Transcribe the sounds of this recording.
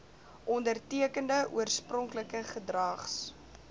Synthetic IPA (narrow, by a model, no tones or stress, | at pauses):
ʔɔndərtiəkəndəʔuərsprɔŋkləkəχədrɐχs